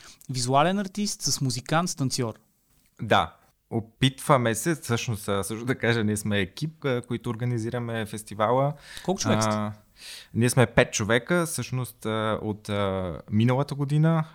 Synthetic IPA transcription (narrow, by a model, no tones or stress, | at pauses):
vizualɛnɐɾt̪ist̪səsmuzikant̪st̪ɐnt̪siɔɾ | d̪a̰ | opit̪vəmɛsɛfsɤʃnost̪ːsɤʃt̪od̪ɐkaʒɛniɛsmɛːkip̚ːkoit̪ʊːɾɡəniziɾəmɛfɛst̪ivalˠəkɔlˠkʊt͡ʃvɛ | niɛsmɛpɛt̪̚t͡ʃovɛkəfsɤʃnost̪o̰t̪ːminəlˠət̪əɡod̪inə